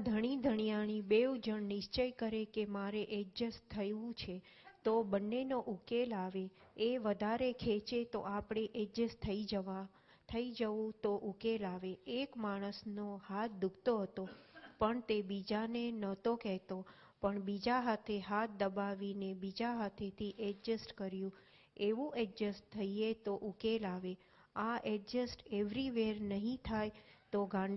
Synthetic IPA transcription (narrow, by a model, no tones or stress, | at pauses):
d̪ʱəɽ̃id̪ʱəɳ̃ijañibeud͡ʒəɳnɪʃt͡ʃəjkəɾekemaɾeʔed͡ʒəst̪ʰəjũt͡ʃʰe | t̪obənːenoʔukelaʋeeʋəd̪ʱaɾekʰet͡ʃet̪o̰ʔapɽ̃eʔed͡ʒəst̪ʰəi | t̪ʰəid͡ʒəʋũt̪oʔukelaʋeːkmaɽ̃əsnohat̪̚ʰd̪ukt̪oɦət̪opəɳt̪ebid͡ʒanenət̪okɛɦt̪o | pəɳbid͡ʒaɦat̪ʰeɦat̪̚ʰd̪əbaʋinebid͡ʒaɦat̪ʰet̪ʰiʔed͡ʒəsʈkəɾjũ | eʋũʔed͡ʒəsʈt̪ʰəiet̪oʔukelaʋe | aʔed͡ʒəsʈeʋɾiʋeɾnəɦĩt̪ʰajt̪oɡãn